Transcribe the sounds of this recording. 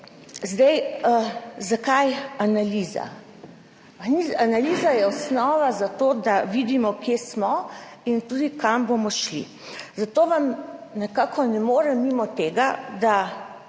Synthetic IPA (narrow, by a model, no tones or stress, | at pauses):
zd̪aj | zakajanaliːza̰ | izanaliːzajɛɔsnɔːʋazat̪oːd̪aʋid̪imɔkjesmɔint̪uːd̪ikambomɔʃlḭ | zat̪oːʋamnɛkaːkʰɔnɛmoːɾɛmːimɔt̪eːɡad̪a